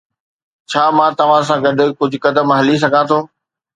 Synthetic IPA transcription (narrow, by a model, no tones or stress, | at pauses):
t͡ɕʰaːmãːt̪ɐʋ̤ãs̬ãːɡɐɖʊ̆kʊd͡ʑʱʊkɐd̪əmɦɐlis̬ɐɡʱãt̪ʰoː